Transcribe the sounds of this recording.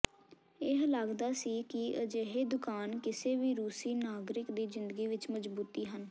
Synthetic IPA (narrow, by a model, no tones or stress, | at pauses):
ɪɦlaɡd̪aːsiːkɪəd͡ʒeːɦeːd̪ʊkaːnkɪseːʋiːɾuːsiːnaːɡɾɪkd̪iːzɪnd̪əɡiːʋɪt͡ʃməd͡ʒbuːt̪iːɦən